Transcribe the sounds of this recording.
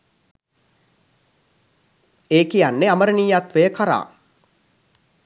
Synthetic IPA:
eːkijanːeaməɾəniːjat̪ʋəjəkaɾa̰ː

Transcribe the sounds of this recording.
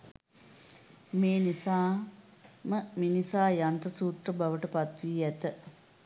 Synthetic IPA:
meːnisaː | məminisaːjant̪əsuːt̪rəbaʋəʈəpat̪ʋiːæt̪ə

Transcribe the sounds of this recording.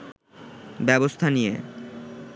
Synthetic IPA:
bɛbost̪ʰanijḛ

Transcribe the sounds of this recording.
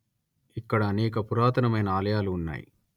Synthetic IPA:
ikːɐɽɐːnɛːkɐpuɾaːt̪ʰɐnɐmɐjnɐaːlɐjaːluːnːa̰ːjḭ

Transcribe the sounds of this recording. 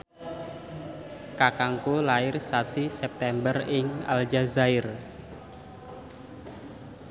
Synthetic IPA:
kakaŋkulaɪrsasisɛp̚t̪ɛmbərɪŋa̰ld͡ʒazaɪr

